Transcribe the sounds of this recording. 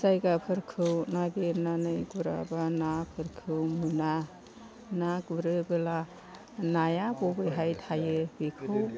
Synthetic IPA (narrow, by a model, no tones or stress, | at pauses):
sajɡapʰɯɾkʰɯwnabeɾnanɯjɡuɾa̰banapʰɯɾkʰɯwmuna | naɡuɾɯbɯla | najabɔbɯjɦajtʰajɯbekʰɯw